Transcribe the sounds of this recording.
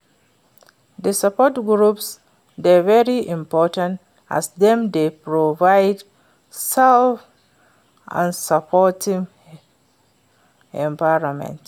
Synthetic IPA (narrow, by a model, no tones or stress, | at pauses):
dəsapɔtɡɹups | dɛvɛɹiʔĩmpɔtãnt | a̰sdɛ̃mdepɹovaɪd | sɛlf | ʔã̰nsapʰɔtʰĩŋ | ɛ̃mpaɪɹɔmɛ̰̃nt